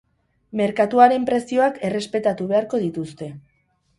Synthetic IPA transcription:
me̞ɾkat̪uaɾe̞mpɾe̞sio̞ake̞re̞spe̞t̪at̪uβ̞e̞aɾko̞ðit̪ust̪e̞

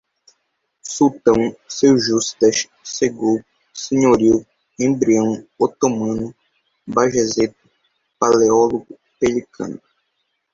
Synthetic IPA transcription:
sut̪ɐ̃w̃sewʒust̪ɐʃ | seɡow | sẽɲoɾiw | ẽbɾiɐ̃w̃ot̪omɐ̃nʊ | baʒezet̪ʊ̥ | paleɔloɡʊ | pelikʰɐ̰̃nʊ

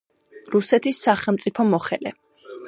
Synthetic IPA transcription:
ɾusɛt̪ʰisːaχɛlˠmt̪sʼipʰɔmɔχɛlɛ̰

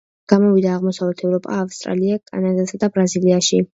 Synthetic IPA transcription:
ɡ̥amɔvid̪aːʁmɔsavlɛt̪ʰɛvɾɔpʼa̰ːfst̪ʼɾa̰liakʼa̰nad̪asad̪abɾaziliaʃi

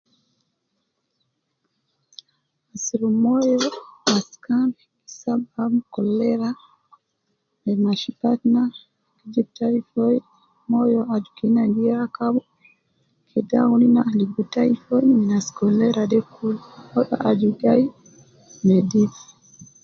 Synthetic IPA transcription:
asiɾumɔjɔaskanɛki̥sabamkɔlɛɾa | mɛmaʃipatna | kid͡ʒip̚taɾifɔj | mɔjɔad͡ʒukinanɡiakabɔ | kʰɛda̰uninaːlibutaifɔiminaskɔlɛɾaɗɛkulɔɗɔ̰ʔad͡ʒudai | mɛdif

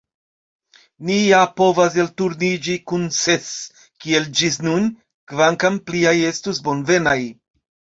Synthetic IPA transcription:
nijapo̞vas̬e̞ltuɾnid͡ʒikunse̞s | kie̞ld͡ʒisnun | kvaŋkampliaje̞stusbo̞nve̞naj

